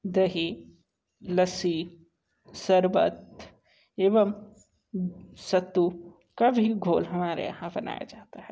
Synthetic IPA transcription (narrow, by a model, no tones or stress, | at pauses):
d̪ɐɦi | lɐsi | sɐɾbə̰t̪ | eːʋəm | sɐt̪ːu | kabʱiɡʱoːlɦɐmaːɾḛjɐ̰ɦãbɐna̰ːja̰d͡ʒaːt̪aɦɛ